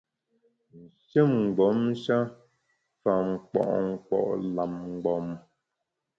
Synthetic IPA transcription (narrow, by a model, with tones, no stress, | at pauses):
n̩˨ʃə˦˨m̩˨ɡ͡bɔ˨˦m˦ʃa˦ | fa˨ŋ͡mk͡pɔ̰˨ʔŋ̩˨k͡pɔ̰˨ʔla˨m˨ɡ͡bɔ˨˦m